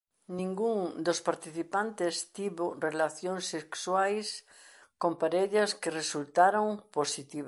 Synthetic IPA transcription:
nĩŋɡuŋd̪ospaɾt̪iθipant̪est̪iβorelaθjoŋsekswajs | kõmpaɾeʎɐskɪresult̪aɾoŋposit̪iβ

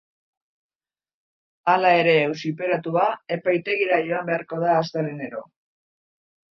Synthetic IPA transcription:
alae̞ɾe̞ːwsipe̞ɾat̪uae̞pajt̪e̞ɣiɾajo̞ambe̞aɾko̞ð̞aːst̪eleneɾo̞

